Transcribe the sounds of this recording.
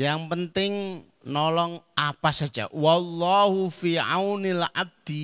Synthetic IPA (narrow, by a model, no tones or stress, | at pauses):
jaŋpənt̪ɪŋ | nɔlɔŋapasḁd͡ʒ̥a̰walːɑɦufiʕawnɪlʕa̰b̚d̪̥i